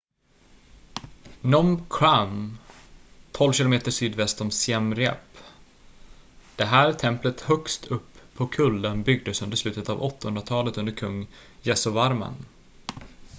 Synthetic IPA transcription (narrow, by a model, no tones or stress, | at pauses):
nɔmkʰɾam | t̪ʰɔlvɕɪlʊmeːt̪əʂyːd̪vɛst̪ɔmsjɛmɾɛ̰p | d̪̥ɛɦæːɾt̪ʰɛmplət̪hœkst̪ʰɵpʰːɔkʰɵld̪ənbʏɡ̚d̪əsɵnd̪əɾʂlʉ̟ːt̪ət̪a̰vɔt̪ːahɵnɾat̪ʰɑːlət̪ɵnd̪əɾkʰɵŋːjɛsɔvaɾmə̰n